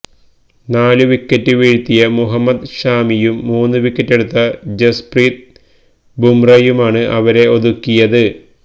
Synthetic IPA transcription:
naːlɨʋikːɐtːɨʋeːɻt̪ːijɐmuɦɐmːɐd̪ɕaːmijumːuːnːɨʋikːɐtːe̞ɽut̪ːɐd͡ʑɐspriːt̪̚ | bumrɐjumaːɳɨʔɐʋɐɾe̞oðukːijɐðɨ

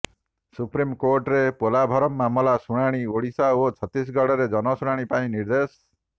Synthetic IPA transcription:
supɾimkoɾʈɾepolabʱɔɾɔmːamɔlasuɽ̃aɽ̃ioɽisaot͡ʃʰɔt̪ːis̬ɡɔɽɔɾed͡ʒɔnɔsuɽ̃aɽ̃ipaĩniɾd̪es

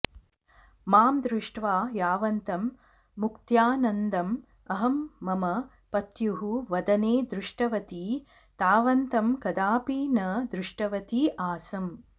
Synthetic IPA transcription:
maːmd̪ɾuʂʈʋaːjaːʋɐnt̪ɐmː | ukt̪jaːnɐnd̪ɐm | ɐɦɐmːɐmɐ | pɐt̪juɦuʋɐd̪ɐneːd̪ɾuʂʈɐʋɐt̪i | t̪aːʋɐnt̪ɐmkɐd̪aːpiːnɐd̪ɾuʂʈɐʋɐt̪iʔaːsɐm

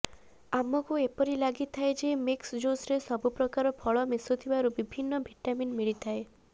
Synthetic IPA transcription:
amɔkuepɔɾilaɡit̪ʰaed͡ʒemiksd͡ʒosɾesɔbupɾɔkaɾɔpʰɔɭɔmesɔt̪ʰibaɾubibʱinːɔbʱiʈaminmiɭit̪ʰae

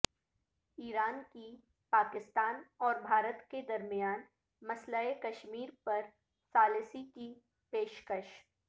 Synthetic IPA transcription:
iːɾaːnki | paːkɪst̪aːnɔːɾbʱaːɾət̪ked̪ɐɾmijaːn | mɐslaekɐʃmiːɾpɐɾ | saːlɪsiki | peːʃkəʃ

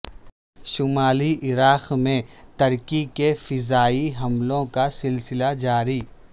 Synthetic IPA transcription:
ʃʊmaːliʔɪɾaːqmẽt̪ɐɾkikefɪzaːiɦɐmlõkasɪlsɪlad͡ʒaːɾiː

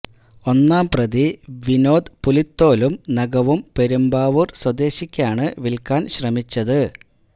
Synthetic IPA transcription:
o̞nːaːmprɐðiʋino̞ːd̪pulit̪ːo̞ːlumnɐɡɐʋumpe̞ɾumbaːʋurswɐd̪eːɕikʲːaːɳɨʋilkaːnɕrɐmit͡ɕːɐðɨ

